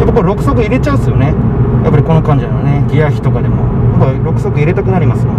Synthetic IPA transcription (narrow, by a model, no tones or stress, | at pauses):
jabpakɯβɾo̞kɯ̟sok̬ɯ̟iɾe̞t͡ɕaɯsɨjo̞nejʔa̰pːaɾʲiko̞no̞kãɲ̟d͡ʑanone̞ɡʲijaçʲi̥t̪o̞kad̪e̞mo̞̰jakːaɾo̞kɯ̥sokɯ̟iɾe̞t̪akɯ̟naɾʲimasɨjo